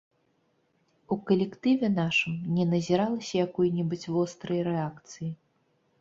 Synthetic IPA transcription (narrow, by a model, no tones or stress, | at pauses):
ukɐlʲɛkt̪ɨvʲɛnaʂɨmnʲɛnɐzʲiɾalˠɐsʲɐjakɔjnʲɛbɨt͡sʲvɔst̪ɾɐjɐɾɛakt̪sɨji